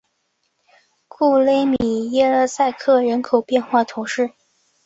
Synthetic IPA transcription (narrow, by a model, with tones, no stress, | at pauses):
kʰu˥˩le˥ɪmi˨˩jɛ˥ə˥˧sa˥˧ɪkʰɤ˥˩ɻə˧˥nkʰo˨˩ʊpjɛ˥˧nxwa˥˩t̪ʰʊ˧˥ŋʂɻ̩˥˩